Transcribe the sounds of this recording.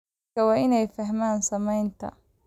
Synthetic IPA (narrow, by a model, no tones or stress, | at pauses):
ɐwɑːʔɪnɛjfɐɦmaːnsɐmɛjnt̪ʰɐ̰